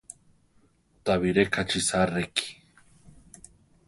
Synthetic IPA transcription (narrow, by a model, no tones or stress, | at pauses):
t̪aβiɾekʰat͡ʃʰisareki̥